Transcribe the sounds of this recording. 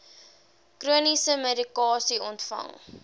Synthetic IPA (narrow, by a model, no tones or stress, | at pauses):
kruənisəmedikɑːsiɔntfɐ̰ŋ